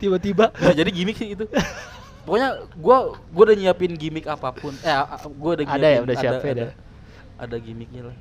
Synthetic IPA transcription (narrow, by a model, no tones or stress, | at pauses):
t̪ibat̪ibaad͡ʒadiɡimɪk̚sɪhit̪̬u | pɔkoɲaɡuaɡuaudaɲiapɪnɡimɪkapapʊnɛɡuadaadajaudasiaapɛda | ʔa̰daɡimɪk̚ɲalah